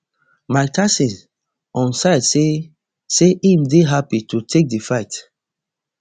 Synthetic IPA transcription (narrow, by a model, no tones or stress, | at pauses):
maɪtʰasĩn | ɔ̃nsaɪdse | seʔimdeɦapitʰutʰek̚defaɪt